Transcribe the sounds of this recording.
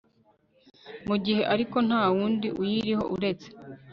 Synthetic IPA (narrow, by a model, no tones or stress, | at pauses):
muɟihe̞ʔaɾiko̞n̥haːwuːndiʔujiːɾiho̞̰ʔuɾe̞t͡se̥